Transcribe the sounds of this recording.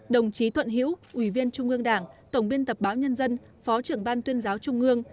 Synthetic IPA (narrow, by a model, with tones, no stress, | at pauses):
ɗə˨˩wŋ͡mt͡ɕi˨˦t̪ʰwə̰˧˨nɦḭ˧˥wʔwi˧˩vi˧ənt͡ɕʊ˧ŋ͡mʔɨ˧əŋɗaː˧˩ŋt̪ə˨˩wŋ͡mɓi˧ənt̪ə˨˩p̚ɓaː˨˦wɲə˧nzə˧n | fɔ˨˦t͡ɕɨ˧˩əŋɓaː˧nt̪wi˧ənzaː˨˦wt͡ɕʊ˧ŋ͡mʔɨ˧əŋ